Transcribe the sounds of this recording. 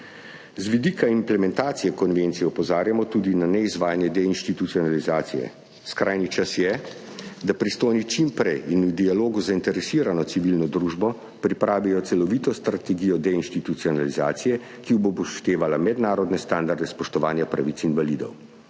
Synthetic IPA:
zʋid̪ikʰaimplɛmɛnt̪aːt̪sijɛkɔnʋent̪sijɛɔpɔzaːɾjamɔt̪ud̪inanɛizʋaːjanjɛd̪ɛinʃt̪it̪ut̪siɔnalizaːt̪sijɛ̰ | skɾajnit͡ʃasjɛ | d̪apɾist̪oːjnit͡ʃimpɾɛjinud̪ialoːɡuzaint̪ɛɾɛsiːɾanɔsiʋilnɔd̪ɾuʒbɔ | pɾipɾaːʋijɔt̪sɛlɔʋit̪ɔst̪ɾat̪ɛɡiːjɔd̪ɛinʃt̪it̪ut̪siɔnaliza̰ːt̪sijɛ | kiubobɔʃt̪eːʋalamɛd̪naːɾɔd̪nɛst̪and̪aɾd̪ɛspɔʃt̪ɔʋaːnjapɾaʋit̪inʋalid̪ɔ̰w

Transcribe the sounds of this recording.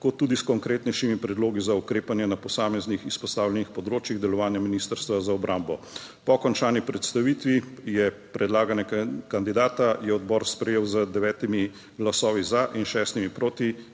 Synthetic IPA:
kot̪ːuːd̪iskɔŋkɾeːt̪nɛjʃimipɾɛd̪loːɡizaukɾeːpanjɛnapɔsaːmɛznixispɔst̪aːwlʲɛnixpɔd̪ɾoːt͡ʃjiɣd̪ɛlɔʋaːnjaminiːst̪əɾst̪ʋazaɔbɾambɔ | pɔkɔnt͡ʃaːnipɾɛt̪st̪aʋit̪ʋijɛpɾɛd̪laːɡanjɛkand̪id̪aːt̪ajɛɔd̪bɔɾspɾɛjeːwzəd̪ɛʋɛːt̪imi | ɡlasɔːʋizaʔinʃɛːst̪imipɾoːt̪i

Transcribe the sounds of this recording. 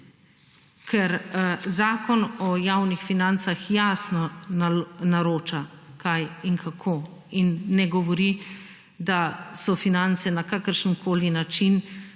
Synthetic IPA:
kʰɛɾzaːkɔnɔjawnixfinant̪saxjasnɔ | naɾoːt͡ʃa | kʰajiŋkʰakʰoː | inːɛɡɔʋɔɾi | d̪asɔfinant̪sɛnakakəɾʃənkʰoːlinat͡ʃin

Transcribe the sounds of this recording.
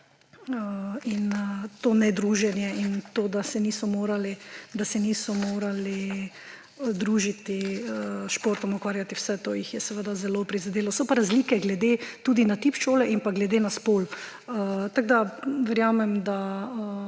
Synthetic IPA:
əinət̪oːnɛd̪ɾuːʒɛnjɛint̪oːd̪asɛniːsɔmoːɾalid̪asɛniːsɔmoːɾali | d̪ɾuʒit̪iəʃpoːɾt̪ɔmɔkʋaːɾjat̪iwsɛt̪o̰ːjixjɛsɛʋəd̪azɛlopɾizad̪eːlɔsɔpaɾazliːkɛɡlɛd̪et̪uːd̪inat̪ipʃoːlɛʔimpaɡlɛd̪enaspoːl | ət̪aɡd̪aʋɛɾjaːmɛmd̪aə

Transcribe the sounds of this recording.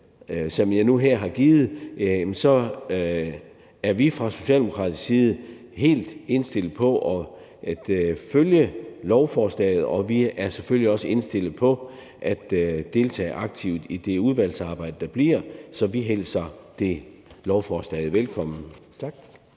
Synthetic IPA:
sɒ̽mjɑ̈ɪnuɦeɐ̰ɦɑ̈ɡ̥iːð̞̩ˠjæmnsɒ̽ | æɐʋifʁɑ̈so̝ɕɛ̰ld̥eokʰʁɑ̰̈ːd̥ssiːð̞̩ˠ | he̝̰ːld̥e̝nsd̥e̝l̰ð̩ˠpʰɒ̽ʔɒ | ʔæd̥føljəlɒʊfɒːslɛ̰ɪð̞̩ˠɒ̽ʋiæɐseføl̰jiɒ̽səe̝nsd̥e̝l̰ð̩ˠpʰɒ̽ | ʔæd̥d̥e̝lt͡sʰɛ̰ːʔɑ̈ɡ̥̚t͡sʰiʊd̥id̥e̝uð̞ˠʋæl̰sɑ̈ːb̥ɑ̈ɪd̥əd̥ɑ̈b̥liɐ̰sɒ̽ʋiɦel̰sɑd̥e̝lɒʊfɒːslɛ̰ɪð̩ˠʋelkʰɒ̽m̰n̩t͡sʰɡ̥

